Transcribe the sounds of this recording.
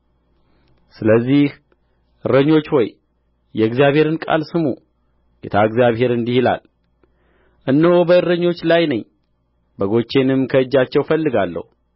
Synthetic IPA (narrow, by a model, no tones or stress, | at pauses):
sɨləzːih | ʔɨɾəɲːo̞t͡ʃːwɔj | jɛɨɡzijaβhe̞ɾɨnkʼa̰lsɨmṵ | ɡ̥et̪ʰaɨɡzjaβhe̞ɾɨnd̪ihila̰l | ʔɨnːəwobəɨɾəɲːo̞t͡ʃːlajnəɲː | bəɡo̞t͡ʃːe̞nɨmkʰəɨd͡ʒːat͡ʃːɛwfəlːɨɡalːə̰hu